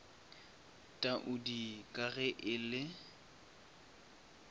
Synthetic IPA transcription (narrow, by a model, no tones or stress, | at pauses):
tʼaʔʊdikʼaɣɛʔɪlɪ